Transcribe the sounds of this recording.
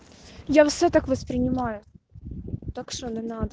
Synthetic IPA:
jafsʲot̪akvəspɾʲɪnʲɪmajʊ | t̪akʂonənad̪ə

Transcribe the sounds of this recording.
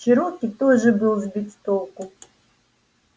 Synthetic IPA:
ʃɨɾokʲit̪oʐɨbɨlˠzbʲit̪t̪olˠkʊ

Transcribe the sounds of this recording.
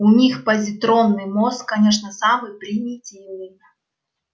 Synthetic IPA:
ʊnʲixpəzʲɪt̪ɾo̞nːɨjmoskkːɐnʲeʂ̬nəsamɨjpɾʲɪnʲitʲivnʲɨnɨ

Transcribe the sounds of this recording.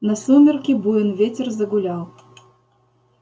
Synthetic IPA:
nɐsumʲɛrkʲibujɔnvʲet͡sʲɛrzɐɡulʲaw

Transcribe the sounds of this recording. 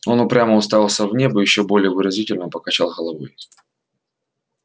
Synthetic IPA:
o̞nʊpɾʲaməʊst̪ajʲalˠsʲəvnʲe̞bəjɪɕːobo̞lʲɪjəvɨɾɐzʲitʲɪlʲnəpəkɐt͡ɕalˠɣəlˠɐvɨj

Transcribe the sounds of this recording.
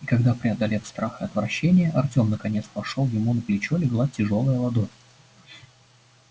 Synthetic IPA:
ikɐɡd̪apɾʲɪɐd̪ɐlʲe̞fst̪ɾaxɨɐt̪vɾɐɕːenʲɪjəʔɐrtʲo̞mnəkɐnʲe̞t̪spɐʂolˠjɪmunəplʲɪt͡ɕolʲɪɡlˠatʲɪʐo̞lˠəjəlˠɐd̪o̞fʲ

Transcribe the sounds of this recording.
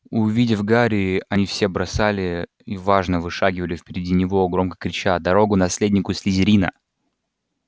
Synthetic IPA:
ʊvʲidʲɪfɡaɾʲɪːɐnʲifsʲe̞bɾɐsalʲɪ | ivaʐnəvɨʂaɡʲɪvəlʲɪfʲpʲɪɾʲɪdʲinʲɪvo̞ɡɾo̞mkə̥kɾʲɪt͡ɕad̪ɐɾo̞ɡʊnɐsʲlʲedʲnʲɪkʊsʲlʲɪzʲɪɾʲinə̰

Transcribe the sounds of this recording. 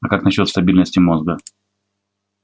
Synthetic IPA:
ɐkaknɐɕːo̞t̪st̪ɐbʲilʲnəsʲtʲɪmo̞zɡə

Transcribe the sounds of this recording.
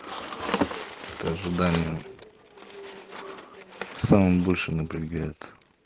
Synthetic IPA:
ɛt̪əɐʐɨd̪anʲɪjə | samɨmbolʲʂɨnəpɾʲɪɡajɪt̪

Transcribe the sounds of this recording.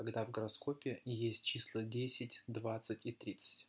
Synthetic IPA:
ɐɡd̪avɡəɾɐsko̞pʲɪjesʲtʲt͡ɕislˠədʲesʲɪtʲd̪vat̪sɨtʲit̪ɾʲit̪sɨ̥tʲ

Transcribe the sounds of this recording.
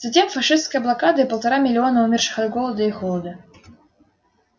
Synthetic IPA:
z̥ɐtʲemfɐʂɨst̪skəjəblˠakad̪ɨipəlˠt̪ɐɾamʲɪlʲɪɔnɐumʲirʂɨ̥xad̪ɡɔlˠəd̪ɐixɔlˠɐd̪ɐ

